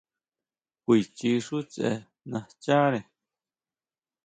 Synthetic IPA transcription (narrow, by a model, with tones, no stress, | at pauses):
kʷi˧˨t͡ʃi˧ʂu˦t͡sḛ˧ | nã˧t͡ʃa˦ɾẽ˨